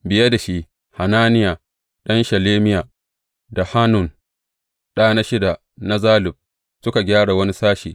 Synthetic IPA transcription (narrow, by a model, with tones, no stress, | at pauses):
bɪ˨ja˦da˨ʃi˦ | ha˨naː˦nɪ˦jaː˨ | ɗɐ˦nʃɐ˨leː˦mɪ˦jaː˨ | da˨ha˦nʊ˨n | ɗa˦a˨na˦ʃɪ˦da˨ | na˦zaː˦lɪ˨b̚ | sʊ˦ka˨ɡʲaː˦ɽa˨wɐ˦ni˦saː˦ʃḭː˨